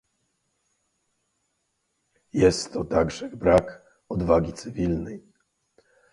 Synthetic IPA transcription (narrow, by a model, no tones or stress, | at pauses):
jɛst̪ʰːɔt̪aɡʐɛbɾak | ɔd̪vaɡʲit̪sɘvʲilnɛj